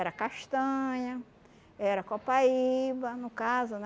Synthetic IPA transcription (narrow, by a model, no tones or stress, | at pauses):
ɛɾɐkaʃt̪ɐ̃ɲɐ | ɛɾɐkɔpaibɐnʊkazʊn